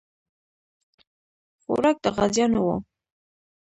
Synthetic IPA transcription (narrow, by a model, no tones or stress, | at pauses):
xo̰ɾɑk̚d̪əɣazjɑnowo̰